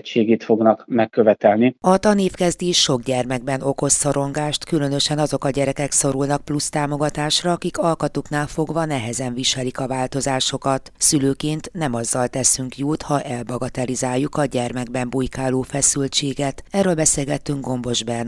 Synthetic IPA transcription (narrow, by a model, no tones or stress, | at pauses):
t͡ʃːeːɡeːt̪fo̞ɡnɒkmɛkːøvɛk̪ɛlniɒt̪ɒneːfkɛzd̪iʃo̞ɡɟɛrmɛɡbɛno̞ko̞soɾo̞ŋɡaːʃt̪kylø̞nø̞ʃɛnɒzo̞kɒɟɛɾɛkɛkso̞ɾulnɒk̚plust̪aːmo̞ɡɒt̪aːʃrɒːkikɒlkɒt̪uknaːlfo̞ɡvɒnɛɦɛzɛnviʃɛlikɒvaːlt̪o̞zaːʃo̞kɒt̪syløːkeːnt̪nɛmɒzːɒlt̪ɛsyŋkjuːt̪hɒʔɛlbɒɡɒt̪ɛlizaːjːukɒɟɛrmɛɡ̚bɛmbujkaːloːfɛsylt͡ʃeːɡɛt̪ɛrøːlbɛseːlɡɛt̪ːyŋɡ̚ɡo̞mbo̞ʒbɛn